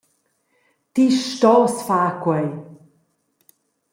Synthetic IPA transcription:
t̪iʃtɔːsfaːkwɛj

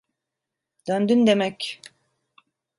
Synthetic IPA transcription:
d̪̥ønd̪ynd̪emɛc

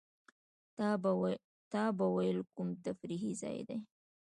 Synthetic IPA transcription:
t̪ɑbawajəlkumt̪afɾiɦizɑ̰jd̪ḛj

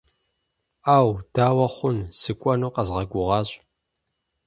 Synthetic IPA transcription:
aːwd̥aːwɐχʷʊnsɨkʷʼɔnuːqɐzʁɐɡʷʊʁɑːɕʼ

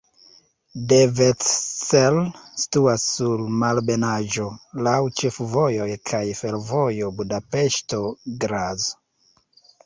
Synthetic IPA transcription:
devetselsi̥tuasːulmalbe̞naʒo̞lawt͡ʃe̞fvo̞jo̞jkʰajfe̞lvo̞jobudape̞ʃto̞ɡɾazo

